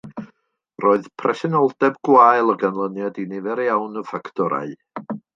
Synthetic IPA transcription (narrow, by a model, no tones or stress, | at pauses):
roːɨðpʰrɛsɛnɔlˠdɛbɡ̥waːjlˠəɡanlˠənjadinɪvɛɾjawnəfaktʰɔɾa̰ɨ